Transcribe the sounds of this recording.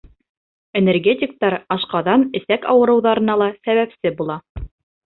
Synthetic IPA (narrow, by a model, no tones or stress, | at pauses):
enerɡʲetʲik̚t̪ɑɾɑʃqɑðɑnɘ̆sækɑ̰wɤ̆ɾɤ̆wðɑɾɤ̆nɑlˠɑsæβæpsɘbulˠɑ